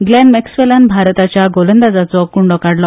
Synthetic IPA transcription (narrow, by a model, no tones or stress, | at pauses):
ɡlɛnmɛksʋelanbʱaɾt̪at͡ɕjaɡolənd̪ad͡zat͡sɔkuɳɖɔkaɽlɔ